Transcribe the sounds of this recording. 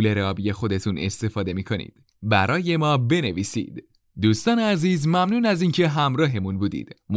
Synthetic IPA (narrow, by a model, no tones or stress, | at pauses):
le̞ɾeɒːbije̞xo̞d̪e̞t̪ʰune̞̰st̪e̞fɒːd̪e̞miːkʰo̞nḭːd̪̥ | bæɾɒːje̞mɒːbe̞ne̞viːsḭːd̪̥ | d̪uːst̪ɒːneæziːzmæmnuːnæziːncʰe̞ɦæmɾɒːɦe̞munbuːd̪ḭːd̪̥m